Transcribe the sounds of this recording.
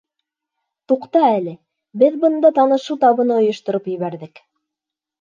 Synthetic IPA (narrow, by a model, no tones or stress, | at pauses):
t̪uqt̪ɑælɘ | bɘðbɤ̆nd̪ɑt̪ɑnɤ̆ʃɤwt̪ɑβɤ̆nɤŏjŏʃt̪ŏɾopjɘ̆βæɾðɘk